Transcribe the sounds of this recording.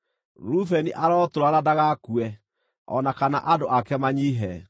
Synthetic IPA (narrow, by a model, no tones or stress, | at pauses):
ɾufɛniʔaɾɔtoɾaɾadaɣakuɛ | ɔ̰nakana̰ʔadoʔakɛmaɲiɦɛ